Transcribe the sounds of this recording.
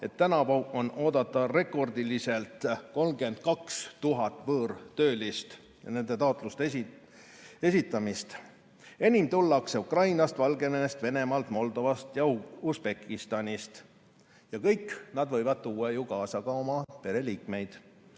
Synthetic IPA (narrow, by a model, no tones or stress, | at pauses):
e̞t̪ːænɑpoo̞no̞ːd̪ɑt̪ˑːɑre̞kˑo̞rd̪ilise̞lt̪ko̞lmɡe̞nd̪̥̚kɑkst̪uɦɑt̪ːˑvɤːrt̪ø̞ːlist̪ | jɑne̞nd̪̥e̞t̪ɑot̪ˑlust̪ | e̞sit̪ːˑɑmist̪ | e̞nʲimt̪ulːɑkseukrɑjnɑst̪vɑlɡe̞neest̪ve̞ne̞mɑlt̪mo̞ld̪o̞vɑst̪jɑusb̥e̞kːist̪ɑnʲist̪ | jɑkɤjkːnɑd̪vɤjvɑd̪̥̚t̪uːɑjukɑːsɑɡ̥ɑo̞mɑpe̞ɾe̞liːkme̞jd̪̥